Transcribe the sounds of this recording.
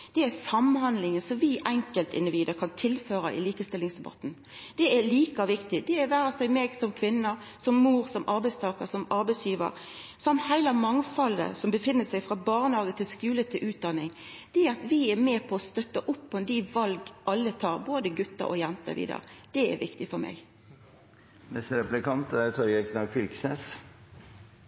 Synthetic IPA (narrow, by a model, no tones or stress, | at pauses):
d̪̥ɛæsɑmːnhɑnd̪lɪŋənsɔʋɪʔɛŋkəlt̪ɪ̰nd̪ɪʋiːd̪əɾkʰɑnt̪ʰɪlføːɾɑʔɪ̰liːkəst̪ɪlːɪŋsd̪ɛbɑ̰t̪ːn̩ | d̪̥ɛɛɾliːkɑʋɪkt̪ɪd̪ɛːɾʋæːɾɑsæɪmeːɡsɔmkʰʋɪnːə | sɔmːuːɾsɔmʔɑɾbæɪst̪ʰɑːkəɾsɔmɑɾbæɪsjiːʋə̰ɾ | sɔmt̪hæɪlɑmɑŋfɑlə̰sɔmbəfɪnːəsæɪfʁɑbɑːʁnhɑːɡət̪ʰɪlskʉːlət̪ʰɪlʔʉːt̪̚d̪ɑnːɪŋd̪̥ɛɑt̪ʋɪɛɾmɛːpʰɔɔst̪œt̪ːəʔʊpːɔɛnd̪iʋɑlɡʔɑlːət̪ʰɑːɾboːd̪əɡʉt̪ːə̰ʔɔ̰jɛnt̪ə̰ʋɪ̰ːd̪ɑ̰ːd̪̥ɛɛ̰ʋɪkt̪ɪfɔɾmɛ̰ɡ | nɛst̪ɾɛplɪkɑnt̪t̪ʰɔɾɡɛknɑɡfʏlksnɛs